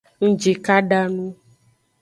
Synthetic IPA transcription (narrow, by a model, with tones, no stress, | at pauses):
ŋ̩˦d͡ʒe˨ka˦ɖa˦nũ˦